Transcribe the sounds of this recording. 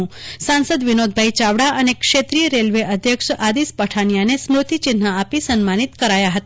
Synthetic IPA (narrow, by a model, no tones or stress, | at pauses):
ũsãnsəd̪ʋinod̪̚ʱbʱajt͡ʃaʋɽaʔənekʃet̪ɾijəɾelʋeʔəd̪ʱjəkʂad̪ispəʈʰanjanesmɾut̪it͡ʃɪnːaːpisənmanit̪kəɾajaɦət̪a